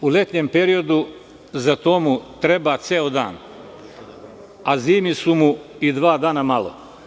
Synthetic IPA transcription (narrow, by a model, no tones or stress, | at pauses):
ule̞t̪ɲempeɾio̞d̪u | zat̪omut̪ɾebat̪seod̪a̰ːn | aziːmisumuid̪ʋaːd̪aːnamalo̰